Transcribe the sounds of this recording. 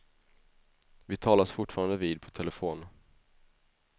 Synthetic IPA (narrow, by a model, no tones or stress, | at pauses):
vɪt̪ʰɑːlasfʊʈːfɑːɾand̪əviːd̪̚pʰɔ̥t̪ʰɛlɛfoːn